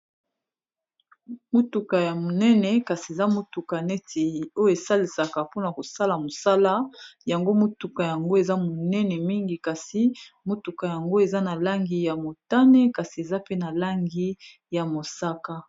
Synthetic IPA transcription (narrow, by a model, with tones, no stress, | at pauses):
mo˦tu˨ka˨ja˨mo˨nɛ˦nɛ˨ka˨si˨e˨za˦mo˦tu˨ka˨nɛ˦tʰi˨o˦jo˦e˨sa˦li˨sa˨ka˨po˦na˨ko˨sa˦la˨mo˨sa˦la˦ja˨ŋɡo˦mo˦tu˨ka˨ja˨ŋɡo˦e˨za˦mo˨nɛ˦nɛ˨mi˦ŋɡi˨ka˨si˦mo˦tu˨ka˨ja˨ŋɡo˦e˨za˦na˨la˦ŋɡi˦ja˨mo˨ta˦nɛ˦ka˨si˨e˨za˦pe˦na˨la˦ŋɡi˦ | ja˨mo˨sa˦ka˦